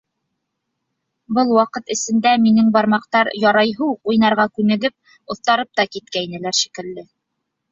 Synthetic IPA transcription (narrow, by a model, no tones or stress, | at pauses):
bɤlˠwɑqɤt̪ɘ̆sɘ̆nd̪æminɘŋbɑɾmɑqt̪ɑɾjɑɾɑjɦɤuqujnɑɾʁɑkʉnɘ̆ɡɘp̚ | ŏθt̪ɑɾɤp̚t̪ɑkit̪̚kæjinɘ̆læɾʃi̥kɘ̆lːɘ